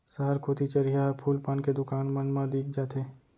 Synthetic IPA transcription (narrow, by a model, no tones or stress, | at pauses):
səɦəɾkʰoːt̪it͡ʃəɾijapʰuːlpaːnked̪ʊkaːnmə̃nmãd̪iːk̚ʰd͡ʒaːt̪eː